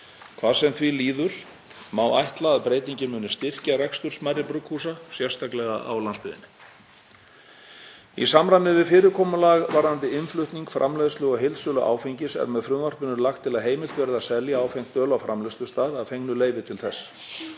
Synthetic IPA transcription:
kʰvaːɾsɛmθviliːðʏɾ̥ | maːwajht̪laːðpɾeːjt̪iɲcɪmʏːnʏst̪ɪr̥carɛkst̪ʏɾ̥smaɾɪpɾʏkʰhuːsasjɛr̥st̪ʰaklɛɣa̰ʔa̰wlanspʏðɪ̰nɪ | ḭsamɾanɪvɪðfɪːɾɪkʰɔːmʏlaːɣvaɾðant̪ɪɪnflʏht̪niŋkfɾʔa̰mlɛːðʏst̪lʏɣɔɦɪlsʏːlʏʔa̰ːwfejɲcɪsɛ̰ɾmɛðfɾʏmvar̥pʏnʏɾlaxt̪ʰːɪlaðɦeːjmɪlt̪vɛːɾɪðaðsɛljaaːwfejŋ̥t̪œːlawfɾamlɛslʏst̪aːðaðfeknʏleːjvɪt̪ʰɪlθɛsː

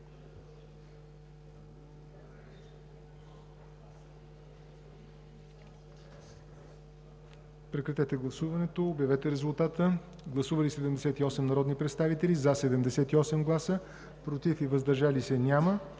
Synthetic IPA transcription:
pɾɛkɾɐt̪ɛt̪ɛɡlˠɐsuvɐnɛt̪oːbjɐvɛt̪ɛɾɛzulˠt̪at̪ə | ɡlˠɐsuvəlisɛd̪ɛmd̪ɛsɛt̪iɔsɛmnɐɾɔd̪nipɾɛt̪st̪avit̪ɛlizɐsɛd̪ɛmd̪ɛsɛt̪iɔsɛmɡlˠasə | pɾot̪ifivəzd̪ɐɾʒalisɛnʲamə

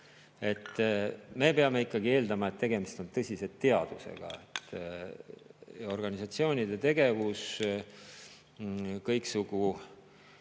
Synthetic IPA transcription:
e̞t̪ːˑme̞peɑme̞ikːˑɑɡ̥ie̞ːld̪ɑmɑe̞t̪ːe̞ɡe̞mist̪o̞nt̪ɤsʲise̞t̪ːe̞ɑd̪̥usḛɡ̥ɑ̰ḛt̪ː | o̞rɡ̥ɑnisɑt̪sio̞ːnʲid̪e̞t̪e̞ɡ̥e̞vus | kɤjksuɡ̥u

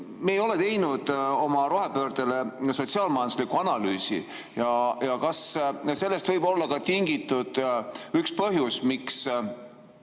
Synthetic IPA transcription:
meeːjo̞le̞t̪e̞jnud̪̥o̞mɑɾo̞ɦepøːɾd̪̥ele̞so̞t̪siɑːlmɑjɑnuslikuɑnɑlyːsḭ | jɑjɑkɑsse̞lːe̞st̪vɤjb̥o̞lːɑkɑt̪iŋɡit̪ːud̪̥ykspɤɦjusmiks

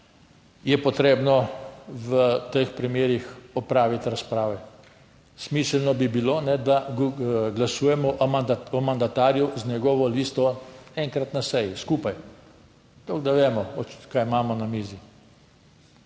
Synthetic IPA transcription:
jɛpɔt̪ɾeːbnɔʋət̪əxpɾimeːɾixɔpɾaːʋit̪ɾaspɾaːʋɛ | smiːsəlnɔbibilonɛd̪a | ɡlasuːjɛmɔʔɔmand̪at̪aːɾjɔznɛɡɔːʋɔliːst̪ɔɛŋkɾat̪nasɛjiskuːpaj | t̪oɡd̪aʋeːmɔɔkajmaːmɔnamiːzi

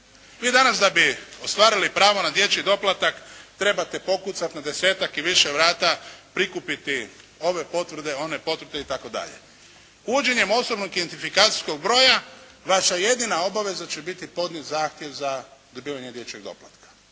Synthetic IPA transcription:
ʋiːd̪anasd̪abio̞st̪ʋaːɾilipɾaːʋo̞nad̪je̞t͡ɕid̪o̞plˠat̪akt̪ɾe̞bat̪e̞po̞kut̪sat̪nad̪e̞se̞ːt̪akiʋiʃeʋɾaːt̪apɾikupit̪i | o̞ʋe̞po̞t̪ʋɾ̩d̪e̞o̞ne̞po̞t̪ʋɾd̪e̞it̪ako̞d̪a̰ʎḛ | uːd͡ʒe̞ɲe̞mo̞sobno̞ɡid̪ent̪ifikaːt̪si̥sko̞ɡbɾo̞ːjaʋaʃaje̞d̪inao̞baʋe̞zat͡ʃe̞bit̪ipo̞d̪ɲet̪zaːxt̪je̞ʋzad̪obiːʋaɲe̞d̪je̞t͡ʃeɡd̪o̞̰plˠa̰t̪kḁ

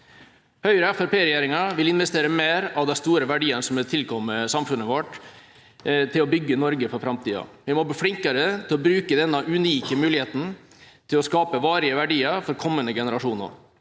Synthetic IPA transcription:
hœʏɾəɛfɛɾpeːɾɛjæːɾɪŋɑʋɪlɪnʋɛst̪eːɾəmeːɾɑʋd̪ɛst̪uːɾəʋæɖiːənsɔmɛt̪ʰɪlkʰɔmːəsɑmfʉnːəʋɔʈ | t̪ʰɪlɔbʏɡːənɔɾɡəfɔɾfɾɑmt̪ʰiːɑ̰ʋɪmɔbiːflɪŋkəɾət̪ʰɪlɔbɾʉːkəd̪ɛnːɑʔʉniːkəmʉːlɪheːt̪n̩ | t̪ʰɪlɔskɑːpəʋɑːɾɪəʋæɖiːəɾfɔɾkʰɔmːənəɡɛnəɾɑʂuːnə̰ɾ

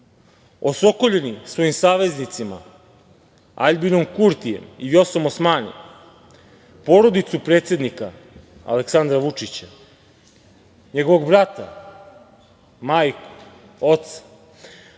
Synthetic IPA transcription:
o̞so̞ko̞ʎenisʋo̞imsaːʋe̞znit̪sima̰ | a̰ʎbino̞mkuɾt̪ijḛmijo̞somosmaːnḭm | poɾo̞d̪it̪supɾeːt̪sje̞d̪nika | a̰leksand̪ɾaʋut͡ʂit͡ɕa | ɲeɡo̞ʋoɡbɾat̪a̰ | maːjku̥ | o̞t̪sḁ

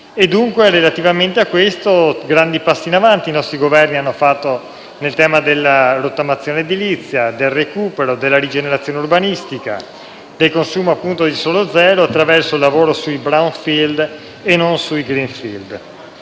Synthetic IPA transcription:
ed̪ːuŋkweɾelat̪ivament̪eakːwest̪oɡɾand̪ipasːiːnavant̪iːnɔst̪ɾiɡovɛrnianːofat̪ːo | nelt̪ɛːmad̪elːaɾot̪ːamat̪sːjoːned̪ilit̪sːjad̪elrekuːpeɾod̪elːaɾid͡ʒeneɾat̪sːjoːnurbanist̪ika̰ | d̪̥elkonsuːmoapːunt̪od̪isoːlod̪zɛːɾoat̪ːɾavɛrsoilːavoːɾosuibɾawnfild̪ | enːonsuiɡɾinfild̪

